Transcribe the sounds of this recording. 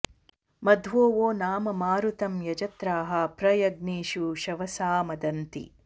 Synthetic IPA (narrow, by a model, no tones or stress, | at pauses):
mɐd̪ʱʋoːʋoːnaːmɐmaːɾut̪ɐmjɐd͡ʒɐt̪ɾaːɦɐpɾɐjɐɡniːʃuʃɐʋɐsaːmɐd̪ɐnt̪ḭ